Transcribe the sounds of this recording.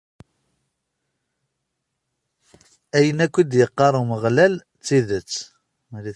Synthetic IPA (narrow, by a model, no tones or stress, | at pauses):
æjənækʷːid̪jəqːɑɾˤəməʁlæl | t͡sːiðət͡sː | mæli